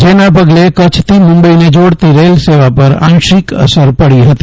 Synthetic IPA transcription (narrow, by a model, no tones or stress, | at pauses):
d͡ʒenapəɡlekət͡ʃʰt̪ʰimʊ̃mbəined͡ʒoɽt̪iɾelseʋapəɾã̰nʃikə̰səɾpəɽiɦət̪i̥